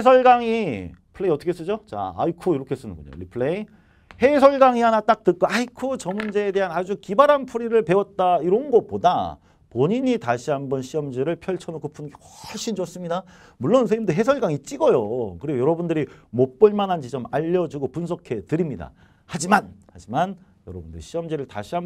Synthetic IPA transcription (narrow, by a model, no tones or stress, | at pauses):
esʰʌɭɡaŋipʰɯɭeiʌt͈ʰʌkʰes͈ɯd͡ʑot͡ɕa̰a̰ikʰuiɾʌkʰes͈ɯnɯ̰nɡṵɲo̰ɾipʰɯɭei | he̞sʰʌɭɡaŋiɦanat͈ak̚t͈ɯk͈oaikʰut͡ɕʌmund͡ʑe̞ːde̞ɦanad͡ʑukibaɾanpʰuɾiɾɯɭpe̞wʌt̚t͈aiɾʌɯnɡʌp͈oda̰ | poɲiɲitaɕʰiɦambʌnɕʰiʌmd͡ʑiɾɯɭpʰjʌɭt͡ɕʰʌnokʰopʰunɡewʌɭɕ͈ʰind͡ʑʌs͈ɯmɲida | muɭːons̬ʰeimdoɦe̞sʰʌɭɡaŋit͡ɕ͈iɡʌjokɯɾiɡojʌɾʌbundɯɾimop͈ɯɭmanɦand͡ʑit͡ɕʌmaʎːʌd͡ʑuɡopuns̬ʰʌkʰe̞tɯɾimɲida̰ | had͡ʑimanhad͡ʑiman | jʌɾʌbundɯɾḭɕʰiʌmd͡ʑiɾɯɭta̰ɕʰiɦam